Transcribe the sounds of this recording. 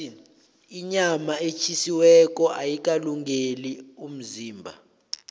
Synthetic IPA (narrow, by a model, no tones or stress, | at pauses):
iɲamaet͡ʃʰisiwɛk̬ʼɔʔajik̬ʼaluŋɡʱelium̩ziːmbʱa̰